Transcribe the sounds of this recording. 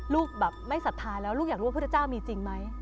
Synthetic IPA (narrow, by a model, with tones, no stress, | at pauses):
luː˥˩k̚bɛː˨˩p̚ma˥˩jsa˨˩t̪ʰːaː˧jlɛː˦˥wlu˥˩jaː˨˩kɾuː˦˥˧t͡ɕaː˥˩wmiː˧t͡ɕi˧ŋma˦˥j